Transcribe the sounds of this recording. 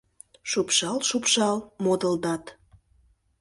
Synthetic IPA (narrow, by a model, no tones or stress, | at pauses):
ʃupʃɑlʃupʃɑlmod̪əld̪ɑt̪